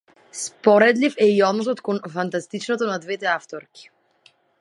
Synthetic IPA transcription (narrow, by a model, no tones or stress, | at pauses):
spɔɾɛd̪lifɛiɔd̪nɔs̬ɔt̪kɔnfant̪ast̪it͡ʃnɔt̪ɔnad̪vɛt̪ɛaft̪ɔɾkʲi̥